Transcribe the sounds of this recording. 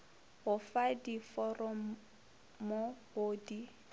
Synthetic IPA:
hʊfadifɔrɔm̩ | mohoːdi

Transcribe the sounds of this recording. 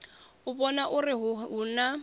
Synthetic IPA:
ʊbɔnaʔʊrɪɦɦʊna

